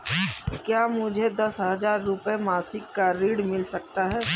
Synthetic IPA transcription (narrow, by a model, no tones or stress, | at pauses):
kjaːmʊd͡ʒʱed̪ɐsɦəd͡ʒaːɾːʊpemaːsɪkːaɾiːɽmɪlsɐk̚t̪aɦɛː